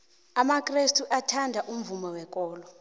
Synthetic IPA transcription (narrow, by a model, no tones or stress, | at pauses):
amakʼrestʰʼuʔatʰandʱaʔum̩vumɔwɛk̬ʼɔːlɔ